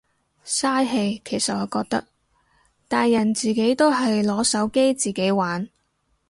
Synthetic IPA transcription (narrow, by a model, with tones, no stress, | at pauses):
saː˥jɦe˧jkʰe˨˩jsɐ˨t̚ɔː˨˧kɔː˧k̚t̪ɐ̰˥k̚ | t̪aː˨jːɐ˨˩nt͡siː˨˩ke˨˥jt̪o˥wɦɐ˨jlɔː˨˥sɐ˨˥wke˥jt͡siː˨˩ke˨˥jwaː˨˥n